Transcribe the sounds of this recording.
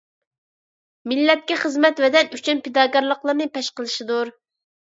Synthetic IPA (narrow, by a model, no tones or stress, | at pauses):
milːɛt̪̚kʲɛχəzmɛt̪vɛd̪ɛnyt͡ʃʰynpɪd̪ɑːkʲɑɾlˠəqlˠəɾnɨpɛʃqəlˠɨʃɪd̪uɾ